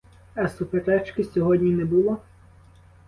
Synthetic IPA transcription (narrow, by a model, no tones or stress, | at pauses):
ɐsupeɾɛt͡ʃkɪsʲɔɦɔdʲnʲinɛbʊlˠɔ